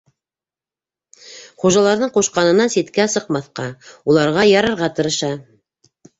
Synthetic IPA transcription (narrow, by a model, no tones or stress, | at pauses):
χuʒɑlˠɑɾðɤɴquʃqɑnɤ̆nɑnsit̪kæsɤ̆qmɑθqɑulˠɑɾʁɑjɑɾɤ̆ɾʁɑt̪ɤ̆ɾɤ̆ʃɑ